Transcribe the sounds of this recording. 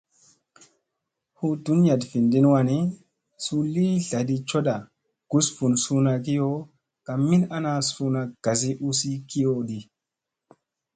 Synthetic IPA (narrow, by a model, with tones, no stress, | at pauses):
hu˦du˨˦n˦a˨dfi˨ndi˦n˦wa˧ni˦ | su˧li˦ɮa˨ɗi˧t͡ʃo˦ɗa˨ | ɡ̥u˦sfu˨nsu˦na˧ki˦jo˦ | ka˨mːi˦na˦na˧sfu˦na˨ɡ̥a˨z̬i˦ʔu˦si˦ki˦jo˦ɗi˨